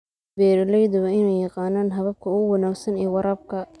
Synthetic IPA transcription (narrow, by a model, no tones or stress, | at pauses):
bɛːɾɐlɛjðɐɐɪnɛjɑqɑːnaːnɦɐβɐb̚kʰɐʊɣʊwɑnaːɡsɐnɛːwɑɾʔɐːb̚kʰɐ